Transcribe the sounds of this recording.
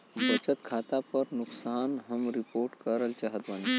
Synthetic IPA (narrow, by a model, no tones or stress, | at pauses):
bət͡ɕət̪kʰat̪apəɾnuksaːnɦəmɾipoːɾʈkəɾəlt͡ʃaɦət̪ʋani